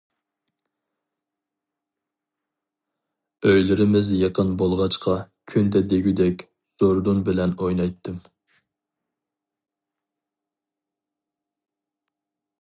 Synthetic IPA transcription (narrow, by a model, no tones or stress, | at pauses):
øjlɪɾɪmɪzjeqənbolˠʁɑt͡ʃqʰɑ | kʲʰynd̪ɛd̪eɡʲyd̪ɛkʲ | soɾd̪unbɪlɛnojnɑjt̪ʰːɨm